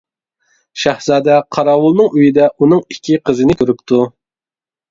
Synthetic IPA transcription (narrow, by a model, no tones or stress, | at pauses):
ʃæhzɑːd̪ɛqʰɑɾɑːwʊlˠnɨŋøjid̪ɛʔunɨŋikʲʰːiqʰəzɨnɪkʲʰøɾypt̪ʰu